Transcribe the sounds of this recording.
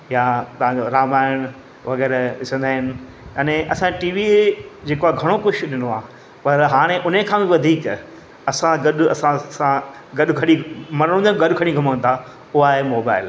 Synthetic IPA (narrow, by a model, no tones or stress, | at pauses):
jat̪ɐʋ̤ãd͡ʑoɾaːmaːɪɽ̃ʊ | ʋɐɣɛːɾʋɪsə̃nd̪aːɦɪnɪ̆ | aːnẽʔɐsãʈiːʋid͡ʑeːkoaɡʱɐɽ̃okʊʃʊɗɪnoaː | pɐɾɦaːɽ̃eʔʊn̤ekʰãːbɪʋɐd̪ʱiːk | ɐsãɡɐɗʊɐ̰sãsã | ɡɐɗʊkʰɐɽimɐɾəɽ̃nɡɐɗʊkʰɐɽ̃ĩɡʱɐməə̃nt̪ʰa | ʊaːɦemoːbaːɪl